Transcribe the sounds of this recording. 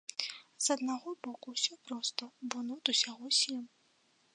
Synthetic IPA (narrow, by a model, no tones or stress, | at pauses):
zɐd̪naɣɔbɔkuwsʲɔpɾɔst̪ɐbɔnɔt̪usʲaɣɔsʲɛm